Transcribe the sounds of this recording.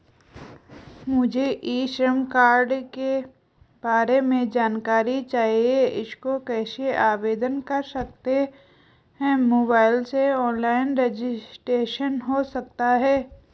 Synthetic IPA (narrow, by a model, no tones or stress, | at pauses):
mʊd͡ʒʱeʔiːʃɾəmkaːɾɖke | b̥aːɾemẽd͡ʒaːnkaːɾit͡ʃaːɦieɪskokɛːseʔaːʋeːd̪ənkɐɾsɐk̚t̪e | ɦɛ̃moːbaːɪlseɔːnlaːɪnɾed͡ʒɪsʈɾeːʃənɦosɐk̚t̪aɦɛː